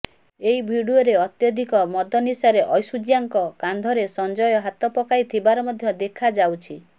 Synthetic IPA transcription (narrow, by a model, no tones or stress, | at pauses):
eibʱiɽioɾeɔt̪jɔd̪ʱikɔmɔd̪ɔnisaɾeʔɔjsud͡ʒijaŋkɔkand̪ʱɔɾesɔnd͡ʒɔjɔɦat̪ɔpɔkait̪ʰibaɾɔmɔd̪ʱjɔd̪ekʰad͡ʒawt͡ʃʰi